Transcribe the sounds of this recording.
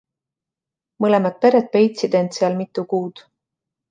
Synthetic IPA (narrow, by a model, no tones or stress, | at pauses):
mɤle̞mɑt̪̚pe̞ɾe̞t̪̚pe̞jt̪sid̪e̞nd̪seɑlmit̪ːˑukuːd̪̥